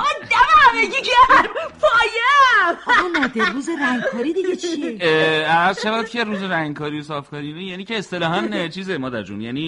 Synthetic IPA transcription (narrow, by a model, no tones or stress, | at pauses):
d̪æmæɾeɡiɡeɾpʰɒːjeː | ɒmɒːd̪eɾuːzeɾæŋɡkʰɒːɾid̪iɡet͡ʃʰieæɾzʃævæd̪̚cʲʰeɾuːzeɾæŋɡkʰɒːɾiːosɒːfkʰɒɾinejæniːceːst̪elɒːɦænt͡ʃʰiːzemɒːd̪æɾd͡ʒṵnjæːniː